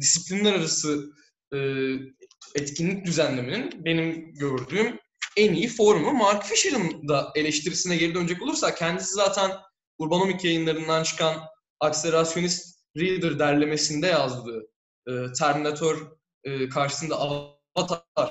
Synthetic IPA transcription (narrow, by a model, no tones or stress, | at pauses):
d̪isiplʲinlʲæɾaɾasɯ | ɯː | ɛt̪cinlʲic̚d̪yzænlʲe̞mininbe̞nimɟøɾd̪yːm | ænijifo̞ɾumumaɾkfiʃiɾɯnd̪ae̞lʲɛʃt̪ʰiɾisinɛɟe̞ɾid̪øned͡ʒɛko̞lˠuɾsak̚cʰɛnd̪isizaːt̪ʰæn | uɾbanomicʰjajɯnlˠaɾɯnd̪ant͡ʃʰɯ̥kʰan | akseɾasjo̞nist̪ | ɾild̪ɯɾd̪æɾlʲe̞me̞sind̪ɛjazd̪ɯː | ɯːt̪ʰæɾminat̪ʰøɾ | ɯːkʰaɾʃɯ̥sɯnd̪aa | at̪ʰaɾ̥